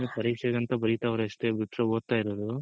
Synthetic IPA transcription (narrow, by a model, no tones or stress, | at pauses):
epɐɾiːkʂɛɡɐnt̪ɐbɐɾit̪aːʋɐɾeʂʈebiʈɾɐoːd̪̚t̪ːaːjiɾoːd̪u